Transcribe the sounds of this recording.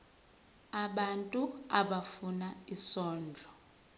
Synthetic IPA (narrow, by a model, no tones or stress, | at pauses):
aɓantʼuaɓafunaisɔːnd͡ɮʱɔ